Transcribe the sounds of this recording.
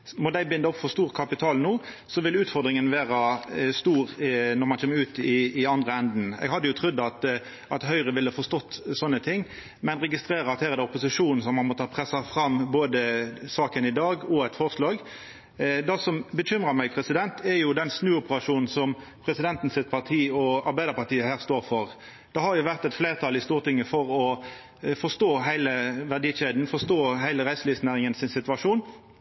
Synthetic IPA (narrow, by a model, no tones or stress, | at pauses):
mɔd̪æɪbɪnd̪əɔpfɔst̪uːʁkʰɑpɪt̪ʰɑːlnuː | sɔʋɪlʉːt̪fɔɾd̪ɾɪŋənʋeːʁɑst̪uːʁnɔɾmɑnçʰɛːmːʉːt̪ɪːɑnd̪ʁəɛnd̪n̩ɛ̰ɡhɑd̪ːəjʊt̪ʰʁʉd̪ːɑt̪ | ɑt̪hœʏʁəʋɪlːəɑfɔst̪ɔt̪ːsɔnːət̪ʰɪŋː | mɛnʁɛɡɪst̪ʁeːɾəɑt̪hæːʁɛd̪ɛʊpʊsɪʂuːnn̩sɔmɑnmɔt̪ʰɑːpʰʁɛsɑfɾɑmboːd̪əsɑːkənɪd̪ɑːɡɔɛt̪fɔʁslɑːɡ | d̪ɑsɔmbəɕʏmʁɑʁmæɪpʰʁɛsɪd̪ɛnt̪ʰɛɾjʊd̪ɛnsnʉːʊpəɾɑʂuːnn̩sɔm | pʰʁɛsɪd̪ɛnt̪n̩sɪt̪̚pʰɑʁt̪ʰiːɔɑɾbæɪd̪əʁpɑʁt̪iːəhæːʁst̪oːʁfɔɾ | d̪̥ɑhɑɾjʊʋæʁt̪ɛt̪fleːʁt̪ʰɑlɪst̪uːʁt̪ɪŋːəfɔʁɔ | fɔʁst̪oːɦæɪləʋæʁd̪iːʃeːd̪n̩fɔst̪oːɦæɪləʁæɪsliːsnæːʁɪŋənsɪnsɪt̪ʋɑʂuːn